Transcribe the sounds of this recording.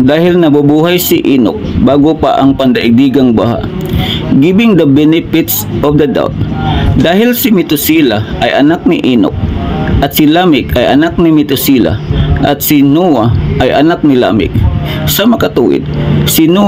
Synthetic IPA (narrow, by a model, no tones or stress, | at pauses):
d̪aːhɪlnɐbabuːɦajsɪʔiːno̰k̚baːɡopa̰ʔɐŋpɐnd̪ɐʔɪɡ̚d̪iːɡɐŋbaha̰ʔ | ɡibɪŋd̪ɐbɛnɪpɪt̪sʔofd̪ɐd̪a̰wt̪̚d̪aːhɪlsɪmɪt̪ʊsiːlaʔɐjʔɐnak̚nɪʔiːnʊ̰k̚ʔɐt̪sɪlamɪkɐjʔɐ̰nak̚nɪmɪt̪ʊsiːla̰ʔɐt̪sɪnuaʔːjʔɐnak̚nɪla̰ːmɪ̰k̚ | sɐmɐkɐt̪ṵːwɪ̰d̪̚sɪnu